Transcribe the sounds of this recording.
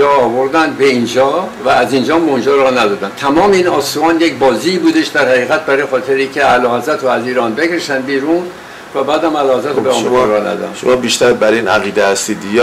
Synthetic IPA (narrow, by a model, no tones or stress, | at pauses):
ɒːvoɾd̪ænd̪be̞ind͡ʒɒːvæːzind͡ʒɒːmond͡ʒɑɾɒnæd̪ɒːd̪ænt̪ʰæmɒːmeiːnɒːsuɒːnjecbɒːziːbuːd̪eʃd̪æɾhæɣiːɣæt̪̚bæɾɒjexɒːt̪ʰeɾiːkcʰeælɒːhezæt̪ʰɾoæziːɾɒːnbekɾeʃt̪ænbiːɾun | væbæːd̪æmælɒːhezæt̪ʰobemɾɒɾɒnæ̰d̪̰ʃomɒːbiːʃt̪æɾbæɾinæɣiːd̪ehæst̪iːd̪j